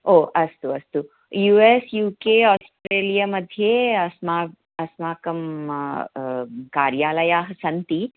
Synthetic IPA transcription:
oːʔɐst̪uɐst̪u | juːesjuːkeːaːsʈɾeːlijamɐd̪ʱjeːɐsmaː | ɐsmaːkɐm | kaːɾjaːlɐjaːɦɐsɐnt̪i

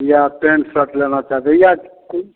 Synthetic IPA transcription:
japẽɳʈsəʈlenat͡ʃaɦt̪ejak

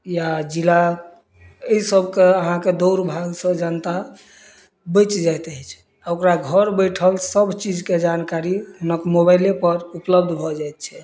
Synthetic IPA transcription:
jad͡ʒila | əisəbʱkeəɦãked̪oʊɾbʱaɡsə̃d͡ʒənt̪a | bəɪt͡ʃd͡ʒajt̪ɦɛt͡ʃʰɛ̥ | aokɾaɡʱəɾbəjʈʰəlsəbʱt͡ʃid͡ʒked͡ʒankaɾiɦunəkmobajlepəɾupləbd̪ʱbʱɔd͡ʒajt̪̚t͡ʃʰɛ

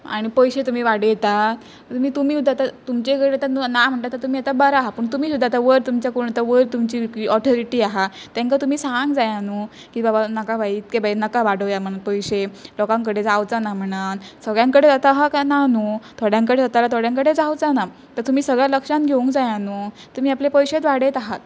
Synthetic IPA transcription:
a̰ɽ̃ipəjɕet̪um̤iːʋaɽjet̪a | t̪umiːt̪umiːud̪ʱat̪at̪umt͡ɕekəɽeat̪annam̤əɳʈ̪at̪əɾt̪umiːat̪abəɾaɦapəɳt̪umiːsud̪ʱːat̪aʋəɾt̪umt͡ɕjakuuɳat̪aʋəɾt̪umt͡ɕiːɔt̪ʰɔɾiʈiːaɦa | t̪jãŋkat̪um̤iːsaŋɡd͡zajanu | kiːbabanəkabait̪kebainəkaʋaɽəʋjam̤əɽ̃at̪pəjɕelɔkãŋkəɽed͡zawd͡zanam̤əɽ̃ansəɡɭjãŋkəɽed͡zat̪aɦakananut̪ʰoɽjãŋkəɽed͡zat̪alat̪ʰoɽjaŋkəɽed͡zawd͡zana | t̪əɾt̪um̤iːsəɡɭjaləkʂãnɡʱeũŋɡd͡zajanu | t̪um̤iːaplepəjɕet̪ʋaɽet̪aɦat̪̚

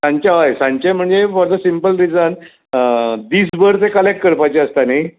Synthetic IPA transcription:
sãɲt͡ɕaʋajsãɲt͡ɕem̤əɳd͡zefɔɾd̪əsimpəlɾid͡zən | d̪iːsbəɾt̪ekəlek̚ʈ̚kəɾpajt͡ɕeəst̪anaj

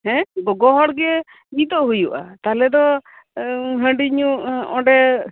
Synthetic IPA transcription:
ɦɛ̃ɡɔɡɔɦɔɽɡɛ | ɡit̪ɔʔɦujuʔa̰t̪alɛd̪ɔ | ɦəɳɖiɲuɔ̃ɖɛ

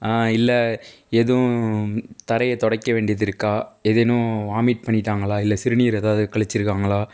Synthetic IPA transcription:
aːɪlːɛ | eðɯ̃ | t̪ɐɾɐjɐt̪ɔɽɐkːɐʋeːɳɖɪjɐðɪɾɯkːaːɛðɛnʊ̃aːmiːʈ̚pɐɳːɪʈːaːŋɡɐɭaːɪlːɐsɪɾɯnijɐɾeːðaːʋðɯkɐɭɐt͡ʃːɪɾɯkːaːŋɡɐɭaː

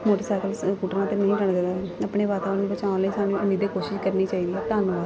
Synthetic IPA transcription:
moːʈəsaːkəlkuːʈəɾãːt̪enəĩːʈəɳd̪ed̪aəpɳeːʋaːt̪aːʋəɾnːbət͡ʃãːnləĩːsaːnũːəniːd̪eːkoːʃɪʃkəɾniːt͡ʃaːiːd̪iːɛːt̪aːnʋaː

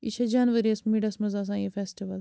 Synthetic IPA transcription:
ḭʃʰɐd͡ʒaːnʋɐɾiɐsmiɖɐsmɐzaːs̬ãːjefeːsʈiʋɐl

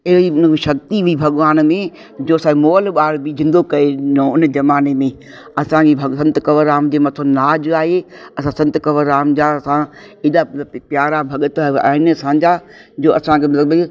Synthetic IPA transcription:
ɪɦiʊnʃɐkt̪iʋibʱɐɠʋaːnmẽ | d͡ʑoːɐsãemoːlɓaːɾbid͡ʑɪ̃nd̪okɐenõʊnəd͡ʑɐmaːnemẽ | ɐsãebʱɐsɐ̃nt̪əkɐʋəɾaːmd͡ʑeːmɐt̪ʰənaːd͡ʑaːɦeɐsãsɐ̃nt̪kɐʋəɾːaːmd͡ʑasã | ɪɗapjaːɾabʱɐɠət̪a̰ːɦɪnə̆sãːd͡ʑaːd͡ʑoːɐsãkʰemɐt̪ləbɐ

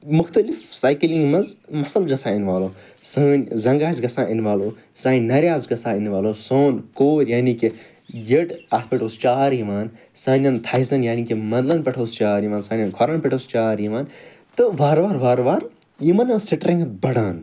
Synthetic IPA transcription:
mʊxt̪ɐlifsaːjkilĩŋɡmɐzmɐsɐlɡɐsaːɪnʋaːloː | saːnʲzɐŋɡaːzɡɐsãːʔɪnʋaːloː | sãːnnɐɾʲjaːzɡɐsaːɪnʋaːloːsoːnkoːɾʲjaːnike | jeʈat̪̚ʰpeʈʰoːst͡ʃaːɾiʋaːn | sãːnʲɐnt̪ʰɐizɐnjaːniːkemɐnd̪lɐnpʲɛʈʰoːst͡ʃaːɾiʋaːnsaːnʲɐnkʰoɾanpʲɛʈʰoːst͡ʃaːɾjiʋaːn | t̪ɨʋaːɾʋaːɾʋaːɾʋaːɾ | jimɐnɐsiʈɾĩŋɡɐt̪̚bɐɽaːn

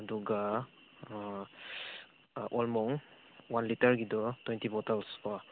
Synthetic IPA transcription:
aduɡa | ʔɔlmɔŋ | wanlitaɹɡidɔtwɛntibɔtalska

